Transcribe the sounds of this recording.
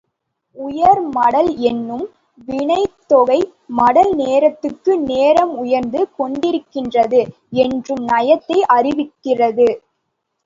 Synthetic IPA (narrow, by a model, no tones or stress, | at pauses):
ʊjɐɾmɐɽɐlɛnːɯm | ʋɪɳɐɪt̪ːɔɣɐɪ | mɐɽɐlneːɾɐt̪ːɯrkːɯneːɾɐmʊjɐɾnd̪ɯkɔɳɖɪɾɯkːɪndrɐðɯ | ɛndrɯmnɐjɐt̪ːɐɪʔɐrɪʋɪkːɪrɐðɯ